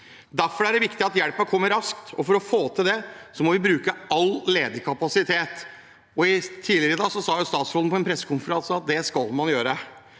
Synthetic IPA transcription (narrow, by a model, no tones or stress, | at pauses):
d̪æɾfɔɾæɖɛʋɪkt̪ɪɑt̪jɛɽpəkʰɔmːəɾɑskt̪ɔfɔɾɔfoːt̪ʰɪld̪ɛsɔmɔʋɪbɾʉːkəʔɑlːeːd̪əkʰɑpɑsɪt̪ʰeːt̪ | ɔɪt̪ʰiːlɪɾəd̪ɑːɡsɔsɑːjʊst̪ɑːt̪sɾɔln̩pʰɔɛnpʰɾɛsːə̥kʊnfəɾɑnsəɑt̪̚d̪ɛskɑlmɑnjøːɾə